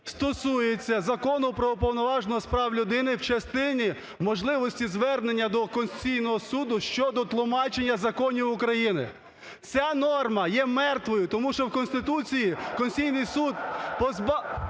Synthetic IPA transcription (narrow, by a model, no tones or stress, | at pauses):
st̪ɔsujet͡sʲːɐzɐkɔnʊpɾɔupɔwnɔʋɑʒnɔɦɔspɾɑwlʲʊd̪ɪnɪwt͡ʃɐst̪ɪnʲi | mɔʒlˠɪʋɔsʲtʲizʋɛrnenʲːɐd̪ɔkɔnst͡sʲijnɔɦɔsud̪ʊʃt͡ʃɔd̪ɔt̪lˠʊmɑt͡ʃe̞nʲːɐzɐkɔnʲiwʊkɾɐjinɪ̰ | t͡sʲanɔrmɐjɛmɛrt̪ʋɔjʊt̪ɔmuʃt͡ʃɔwkɔnst̪ɪt̪ut͡sʲijikɔnsʲijnɪjsud̪̚pɔzb